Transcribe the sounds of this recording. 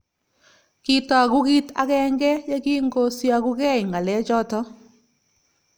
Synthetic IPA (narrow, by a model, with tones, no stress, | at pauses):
ki˦tɔ˦a˨ɡu˦ɡi˦t̪a̰˨ɣɛ˦ŋɡɛ˦ja˦ɡi˦ŋɡo˦sja˨ɡu˦ɡɛ˦ɪ˨ŋɡa˨lɛ˨˦d͡ʒɔ˦tɔ˦